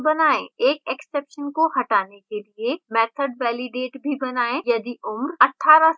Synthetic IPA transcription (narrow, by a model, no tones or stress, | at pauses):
bɐnaːḛ̃eːkeksepʃənkohɐʈaːnekeliemɛːt̪ʰəɖʋɛːlɪɖeːʈbʱibɐnaːẽjɐd̪iʊmɾɐʈʰːaːɾa